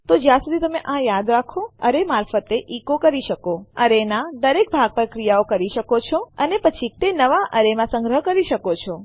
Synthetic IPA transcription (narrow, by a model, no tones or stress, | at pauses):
t̪od͡ʒjãsud̪ʱit̪əmeʔãjad̪ɾakʰoəɾemaɾfət̪eʔikokəɾiʃəkoəɾenãd̪əɾek̚bʱaɡ̚pəɾkɾijaokəɾiʃəkot͡ʃʰoənepət͡ʃʰit̪enəʋaʔəɾemãsə̃ŋɡɾəɦkəɾiʃəkot͡ʃʰo